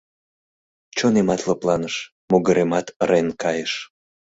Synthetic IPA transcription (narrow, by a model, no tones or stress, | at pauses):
t͡ɕonemɑt̪ləplɑnəʃ | moɣəɾemɑt̪renkɑjəʃ